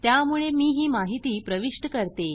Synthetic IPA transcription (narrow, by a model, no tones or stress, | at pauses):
t̪jamuɭemiːɦiːmaɦit̪iːpɾəʋiʂʈəkəɾt̪e